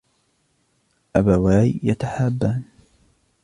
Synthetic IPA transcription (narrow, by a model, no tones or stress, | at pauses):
ʔabawaːjjat̪aħaːbːaːn